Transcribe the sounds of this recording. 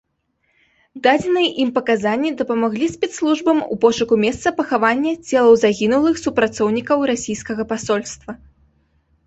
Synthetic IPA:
d̪ad͡zʲɛnɨjɛʔimpɐkazanʲːid̪ɐpɐmaɣlʲisʲpʲɛt̪slˠuʐbɐmṵpɔʂɐkumʲɛst̪sɐpɐxavanʲːɐt͡sʲɛlˠɐwzaɣʲinulˠɨxsupɾat̪sɔwnʲikɐwɾasʲijskɐɣɐpasɔlʲst̪vɐ

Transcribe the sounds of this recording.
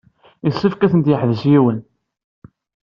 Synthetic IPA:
isːəfkæθənt̪jəħðəsjiwən

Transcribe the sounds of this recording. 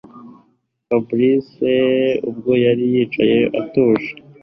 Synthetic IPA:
fabɾiseub̚ɡo̞jaɾijiːt͡ʃaje̞ʔatoːʃḁ

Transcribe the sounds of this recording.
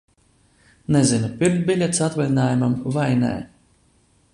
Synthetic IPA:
nɛzinupʲiɾmt̪̚bʲilʲet̪sat̪valʲinaːjumamvajnɛ̰ː

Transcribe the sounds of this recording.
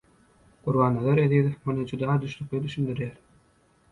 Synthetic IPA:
ɡ̥uɾβɑːnːɑlˠɑɾeðiðmonɯd͡ʒud̪ɑːd̪yʃlyk̚led̪yʃynd̪yɾjæːɾ

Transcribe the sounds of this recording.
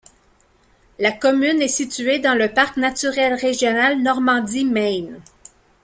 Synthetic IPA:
lakɔmynɛsit̪yed̪ɑ̃ləpaʁknat͡syʁɛlʁeʒjɔnalnɔʁmɑ̃d̪imɛn

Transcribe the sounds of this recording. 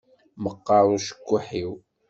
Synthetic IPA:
məqːɑɾˤʊʃə̥kʷːuħiw

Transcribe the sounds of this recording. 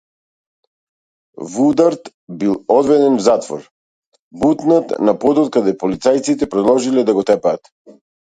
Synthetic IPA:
vud̪aɾt̪ | bilˠɔd̪vɛd̪ɛnvzat̪vɔ̰ɾ | but̪nat̪napɔd̪ɔt̪̚kad̪ɛpɔlit̪sajt̪sit̪ɛpɾɛd̪lˠɔʒilɛd̪aɡɔt̪ɛpaːt̪

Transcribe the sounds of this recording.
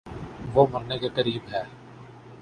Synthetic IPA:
ʋoːmɐɾnekekəɾiːbɦɛː

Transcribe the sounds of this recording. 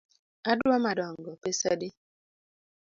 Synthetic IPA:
adwamadɔŋ̩ɡɔpesadɪ

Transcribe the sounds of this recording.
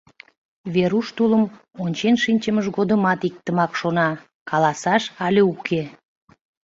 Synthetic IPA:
βeɾuʃt̪uləm | onʲt͡ɕenʃinʲt͡ɕəməʃɣod̪əmɑt̪ik̚t̪əmɑkʃonɑ | kɑlɑsɑʃɑlʲeukʰe

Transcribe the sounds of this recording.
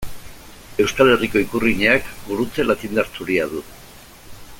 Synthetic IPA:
e̞wskale̞riko̞ikuriɲeakbuɾut͡se̞lat̪ind̪aɾt͡suɾiaðu

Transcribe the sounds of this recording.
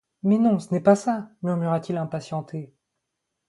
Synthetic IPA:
mɛnɔ̃sənɛpasamyʁmyʁat̪ilɛ̃pasjɑ̃t̪ʰe

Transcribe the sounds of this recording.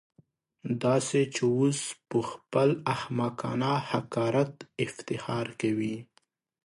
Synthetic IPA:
d̪ɑset͡ʃewospəxpəlahmakɑ̰nɑhakɑɾat̪ɪft̪ɪxɑɾkawi

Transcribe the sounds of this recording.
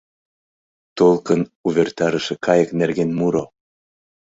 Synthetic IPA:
t̪olˠkənuβert̪ɑɾəʃekʰɑjəknerɣenmuɾo

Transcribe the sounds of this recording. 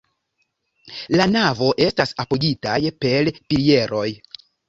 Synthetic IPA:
lanavo̞ʔe̞stasapoɡitajpe̞lpilie̞ɾo̞j

